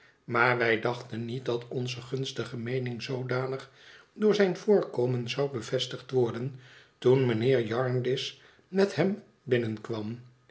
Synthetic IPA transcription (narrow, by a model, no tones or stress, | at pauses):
maːɹʋɛjdɑχtənːit̚dɑtɔnzəχɵnstəχəmejnɪŋzowdaːnəχ | dʊːɹzɛjnv̥ʊːɹkowmənzɑwbəv̥ɛstəχtʋɔɹdən | tunmənɪːɹjɑɹndɪs | mɛthɛm | bɪnənkʋɑm